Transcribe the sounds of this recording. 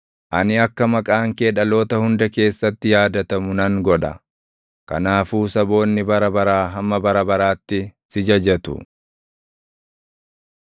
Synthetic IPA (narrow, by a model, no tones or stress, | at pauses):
ʔɐnɪɐkːɐmɐkʼaːŋkeːᶑɐlo̞ːt̪ɐhʊnd̪ɐke̞ːsːɐt̪ːɪjaːd̪ɐt̪ɐmʊnɐŋɡɔᶑɐ̰ | kɐ̰naːfuːsɐbo̞ːnːɪbɐɾɐbɐɾaːɦɐmːɐbɐɾɐbɐɾaːt̪ːɪsɪd͡ʒɐd͡ʒɛt̪ʊ̰